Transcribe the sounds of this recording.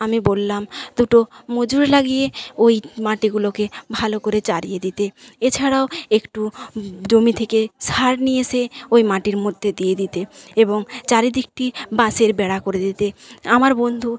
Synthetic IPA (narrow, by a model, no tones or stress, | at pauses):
amibolːamd̪̥uʈomod͡ʑuɾelaɡijeojmaʈiɡulokebʱalokoɾet͡ɕaɾijed̪it̪eet͡ɕʰaɽaoekʈud͡ʑomit̪ʰekesaɾnijeseojmaʈiɾmod̪ʱːed̪ijed̪it̪eeboŋt͡ɕaɾid̪ik̚ʈibãseɾbɛɽakoɾed̪it̪eamaɾbond̪ʱu